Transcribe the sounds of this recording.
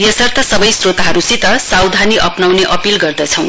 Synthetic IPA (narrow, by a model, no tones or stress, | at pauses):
jʌsʌrt̪ʰʌsʌbʌjsrot̪aɦʌɾusit̪ʌsawd̪ʱaniʔʌpnawneʔʌpilɡʌrd̪ʌt͡sʰʌ̃w̃